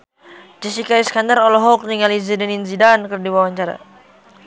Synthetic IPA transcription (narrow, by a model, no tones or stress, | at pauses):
d͡ʒisikaiskandaɾɔlɔɦɔk̚niŋalizidɛninzidankərdiwawaɲt͡ʃaɾa̰